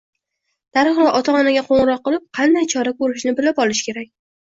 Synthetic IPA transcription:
d̪̥aɾɨχlaʔɒt̪ʰaɒnaɡʲaqʰoɴɨɾɒqːɨlˠɪp̚qʰɑnd̪ajt͡ʃʰɒɾakʰɵɾɪʃnɪbɪlapɒlˠɪʃkʲʰe̞ɾakʲ

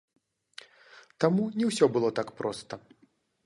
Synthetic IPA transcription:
t̪amunʲɛwsʲɔbɨlˠɔt̪akpɾɔst̪ɐ

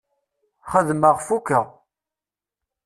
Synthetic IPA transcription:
χəðməʁfukːə

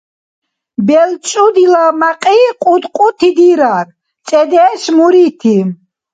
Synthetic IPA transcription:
bɛlt͡ʃʼud̪ilamaqʼiqʼut̪qʼut̪ʰid̪iɾaɾ | t͡ʃʼɛd̪ɛːʃmuɾit̪ʰi

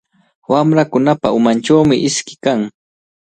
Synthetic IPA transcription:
wamɾakʊnapaʊmant͡ʃawmɪʔɪskɪ̥kaŋ

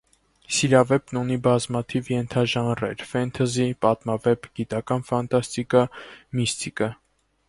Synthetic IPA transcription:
siɾɑvɛpnunibɑzmɑt̪ʰivjɛnt̪ʰɑʒɑnrɛ̰ɾfɛnt̪ʰɑzipɑt̪mɑvɛpɡit̪ɑkɑnfɑnt̪ɑst̪ikɑmist̪ikə

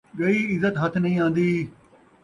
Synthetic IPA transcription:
ɡɐiːɪzət̪ɦɐt̪ʰnɐ̃ɦĩːãːnd̪iː

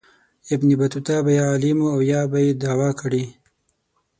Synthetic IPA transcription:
ɪbnibat̪ut̪abajealimuawjɑbajed̪awɑkaɽi

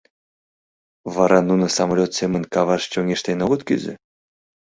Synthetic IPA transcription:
vɑɾɑnunɤ̆sɑmalʲot̪sʲemənkɑβɑʃt͡ɕoŋeʃt̪enoɣɤt̪ky̰zɘ̰

